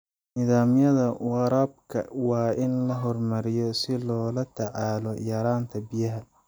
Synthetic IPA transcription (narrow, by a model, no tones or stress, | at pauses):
nɪðaːmjɐðɐwɑɾɐːb̚kʰɐ̰wɑːɪnlɐɦɔrmɐɾɪjɔsɪlɔːlɐt̪ʰɑʕɑːlɔʔɪjɑːɾaːnt̪ʰɐbɪjɐɦɐ